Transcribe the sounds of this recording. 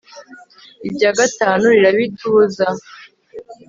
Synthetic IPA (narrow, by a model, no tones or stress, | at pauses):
ibjaːɡataːnuɾiɾaβitʰuːza